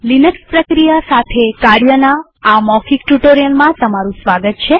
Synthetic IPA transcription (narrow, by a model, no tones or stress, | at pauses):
linəkspɾəkɾijasat̪ʰekaɾjənaː | mɔkikʈuʈoɾijəlmãt̪əmaɾũsʋaɡət̪̚t͡ʃʰe